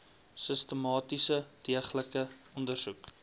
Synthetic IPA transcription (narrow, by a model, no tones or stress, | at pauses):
səstəmɑːtisədiəχləkəɔndərsuk